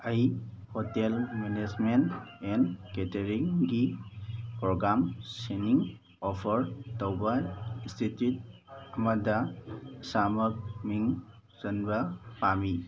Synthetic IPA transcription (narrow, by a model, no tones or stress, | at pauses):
ajhɔtelmenesmentɛnketeɾiŋɡi | pɾɔɡɾamseniŋ | ɔpʰəɾtɔwbainstitjut̚ɐmadasamək̚miŋzənbapami